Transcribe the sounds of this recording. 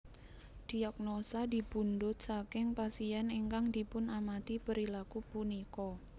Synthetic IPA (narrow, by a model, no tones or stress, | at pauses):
d̥iak̚nosadibundʊt̪̚sakɪŋpasiɛneŋkaŋdipʊnamat̪ipəɾilakupunikɔ